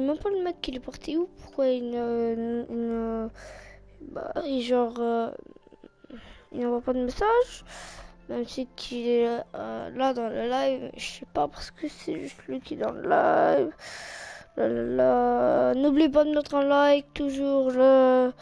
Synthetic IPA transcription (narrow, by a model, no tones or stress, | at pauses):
mɛmpaləmɛkːilɛpaʁt̪ʰiupu̥ʁkwaiəiə | ba̰iʒɑ̃ʁ | ilnɑ̃vapad̪əmesaʒ | mɛmsikʰiɛ̰ | lad̪ɑ̃ləlajvəsɛpapaʁsə̥kəsɛʒyst̪lɥikiɛd̪ɑ̰̃lə̰lajv | lalalanublip̬ad̪əmɛt̪χɛ̃lajvt̪uʒuʁlə